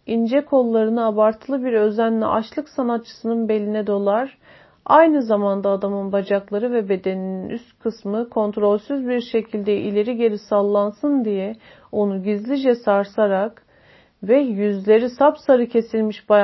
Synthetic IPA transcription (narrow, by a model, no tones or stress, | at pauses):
ind͡ʒɛkʰo̞lˠːaɾɯnɯabaɾt̪ʰɯlˠɯbiɾø̞zænlʲḭʔat͡ʃlˠɯksanat̪̚t͡ʃʰːɯ̥sɯnɯnbe̞lʲinɛd̪o̞lˠaɾ̥ | ajnɯzamand̪aːd̪amɯnbad͡ʒaklˠaɾɯvɛbe̞d̪e̞nininʔyst̪kʰɯsmɯkʰo̞nt̪ɾo̞lʲsyzbiɾʃe̞cʰilʲd̪ɛḭlʲe̞ɾiɟe̞ɾisalˠːansɯnd̪ijɛ | o̞nuɟizlʲid͡ʒɛsaɾsaɾak | vɛjyzlʲe̞ɾisapsaɾɯcʰe̞silʲmiʃba